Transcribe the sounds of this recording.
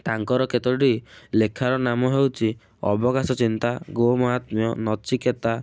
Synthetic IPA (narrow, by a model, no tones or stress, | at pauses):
t̪aŋkɔɾɔket̪ɔɖilekʰaɾɔnamɔɦewt͡ʃʰi | ɔ̰bɔɡasɔt͡ʃint̪aɡomɔɦat̪mijɔnɔt͡ʃiket̪a